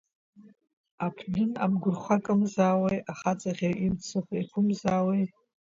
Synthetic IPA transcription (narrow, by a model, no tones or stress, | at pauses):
apʰdɨna̰mɡʷʊrχʷakʼɨmzaːwejaχat͡sʼaʁʲeʔimt͡sʰɨχʷekʷʰʊmzaːwej